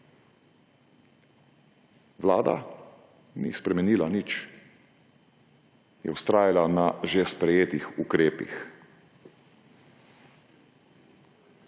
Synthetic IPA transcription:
ʋlaːd̪a̰ | nḭspɾɛmɛniːlanit͡ʃ | jɛ̰uwst̪ɾaːjalanaʒespɾɛjeːt̪ixukɾeːpḭx

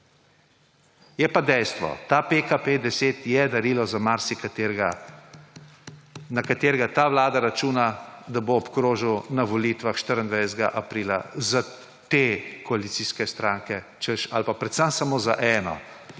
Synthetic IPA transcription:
jɛpad̪ɛjst̪ʋɔ̰t̪apekaped̪ɛseːt̪jɛd̪aɾiːlɔzamaɾsikat̪eɾɡa | nakat̪eːɾɡat̪aːʋlaːd̪aɾat͡ʃuːnad̪aboːpkɾoːʒəwnaʋɔliːt̪ʋaxʃt̪əɾənd̪ʋajst̪ɛɡa̰ʔapɾiːla̰za | t̪ekɔalit̪siːskɛst̪ɾaːŋkɛ | t͡ʃəʃa̰lpapɾɛt̪səmsamoza̰ʔɛːnɔ̰

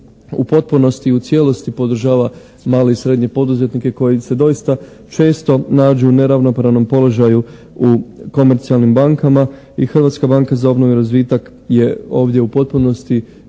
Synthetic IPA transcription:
ṵpo̞t̪̚puno̞st̪iut̪sje̞lo̞st̪ipo̞d̪ɾ̩ʒaːʋa | maːle̞isɾe̞d̪ɲe̞po̞d̪uze̞t̪nike̞ko̞jise̞d̪o̞ist̪a | t͡ʃe̞ːst̪o̞naːd͡ʒuune̞ɾaʋno̞pɾaʋno̞mpo̞lo̞ʒaju | uko̞me̞ɾt̪sialnimbaŋkama | ixrʋat̪skabaːŋkazao̞bno̞ʋiɾazʋiːt̪ak | je̞o̞ːʋd̪je̞upo̞t̪̚puno̞st̪i

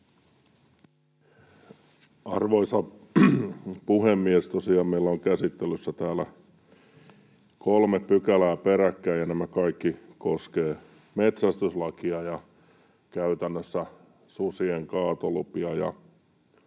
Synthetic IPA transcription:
ɑrʋoisɑ | puhemːiest̪osiɑːmmeilːæoŋkæsit̪ːelysːæt̪æːlæ | kolmeppykælæːpeɾækːæːjɑnæmækɑikːikoskeː | met̪sæst̪yslɑkiɑjɑ | kæyt̪ænːøsːæ | susieŋkɑːt̪olupiɑjɑ̰

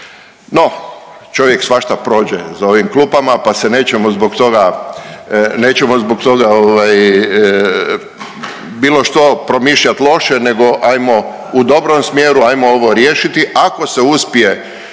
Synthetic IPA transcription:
no̞ | t͡ʃo̞ʋje̞ksʋaʃt̪apɾo̞ːd͡ʑḛzao̞ʋimkluːpamapasene̞ːt͡ɕemozbokt̪o̞ɡa | ne̞ːt͡ɕemozbok̚t̪o̞ɡaoʋaj | biːlˠo̞ʃt̪o̞pɾo̞miʃʎat̪lˠo̞ʃene̞ɡo̞ʔajmo̞ | ud̪o̞bɾo̞msmjeːɾuajmooʋo̞ɾjeːʃit̪iʔako̞se̞uspije̞

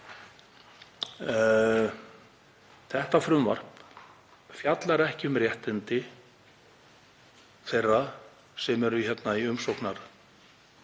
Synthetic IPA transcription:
θɛht̪afɾʏmva̰r̥p | fjat̪laɾɛhcɪʏmrjɛht̪ɪnt̪ɪ | θejrːað | sɛmɛɾʏçɛt̪naiʏmsowhknaɾ

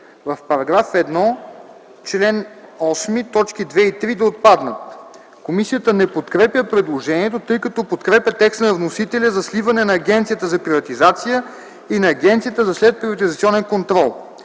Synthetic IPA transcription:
vɐfpɐɾɐɡɾafɛd̪nɔ | t͡ʃlɛnɔsmit̪ɔt͡ʃkid̪vɛit̪ɾid̪ɐot̪̚pad̪nət̪̚ | komisijət̪ənɛpot̪kɾɛpʲjəpɾɛd̪lˠoʒɛniɛt̪ot̪ɤjkɐt̪ɔpot̪kɾɛpʲət̪ɛkst̪nɐvnosit̪ɛlʲəzɐslivɐnɛnɐːɡʲɛnt̪sijət̪əzɐpɾivɐt̪izat̪sijə | inɐːɡʲɛnt̪sijət̪əzɐslɛt̪̚pɾivɐt̪izɐt̪siɔnɛnkont̪ɾɔlˠ

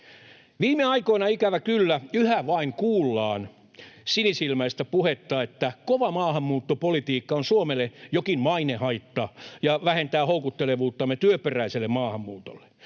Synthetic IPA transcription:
ʋiːmeɑikoinɑikæʋækylːæyhæʋɑiŋkuːlːɑːn | sinisilmæist̪æpuhet̪ːɑːet̪ːækoʋɑmɑːhɑmːuːt̪ːopolit̪iːkːɑonsuomelːˑejokinmɑinehɑit̪ːɑjɑʋæhent̪æːhoukut̪ːeleʋuːt̪ːɑmːet̪yøperæiselːemɑːhɑmːuːt̪o̥̰lːe̥

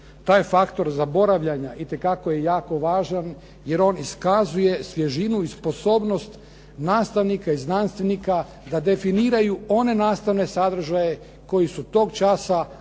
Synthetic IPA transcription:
t̪aːjfakt̪o̞ɾzabo̞ɾaʋʎaɲaʔit̪e̞kakojejaːko̞ʋaːʒan | je̞ɾo̞niskazuje̞sʋjeʒinuispo̞so̞ːbno̞st̪ | naːst̪aʋnikaiznanst̪ʋe̞nika | d̪ad̪e̞finiːɾajuo̞ne̞naːst̪aʋne̞sad̪r̩ʒaje̞ | ko̞jisut̪o̞ːɡt͡ʃasa

